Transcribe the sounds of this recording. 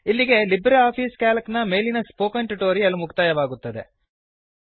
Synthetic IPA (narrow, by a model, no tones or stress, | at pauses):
ilːiɡe̞libɾeaːpʰiːskaːlɐknɐme̞jlinɐspoːkɐɳʈuʈoːɾiɐlːumukt̪aːjɐʋaːɡut̪ːɐd̪e̞̰